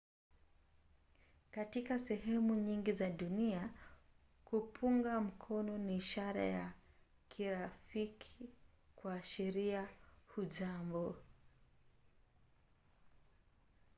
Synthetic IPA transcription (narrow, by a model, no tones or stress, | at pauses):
katikasɛɦɛmuɲiŋɡizaɗunia | kupʰuŋɡam̩kʰɔnɔniːʃaɾa̰ja | kʰiɾafikʰi̥kwaːʃɛɾiahuʄambɔ